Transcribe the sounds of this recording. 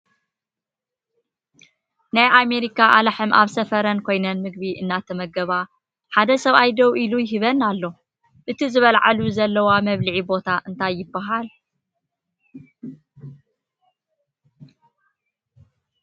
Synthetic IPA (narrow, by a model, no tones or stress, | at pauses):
najʔame̞ɾikʰaʔalaħɨmʔa̰βsɐfɐɾɐnkʰo̞jnɐnmɨɡβiʔɨnːat̪ʰɐmɐɡɐβa | ħad̪ɐsɐβajd̪ɐwʔilujɪɦiβɐnalːo̞ | ʔɨt̪ʰizɨβɐlʕa̰luzɐlːɐwamɐβlɨʕibo̞t̪ʰaʔɨnt̪ʰajːɪbːaɦal